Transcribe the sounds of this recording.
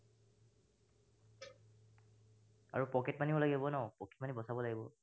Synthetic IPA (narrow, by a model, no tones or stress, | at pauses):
a̰ɹupɔkɛtmaniɔlaɡibɔnɔpɔkʰɛtmanibɔsabɔlaɡibɔ